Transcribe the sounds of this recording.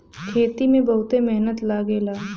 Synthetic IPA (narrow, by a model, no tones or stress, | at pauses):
kʰeːt̪imẽbɐɦʊt̪emɛɦnət̪laːɡelaː